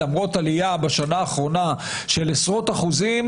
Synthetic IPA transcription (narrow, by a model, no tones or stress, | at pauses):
amʁo̞talijabaʃanaːχʁo̞na | ʃelesʁo̞taχuzim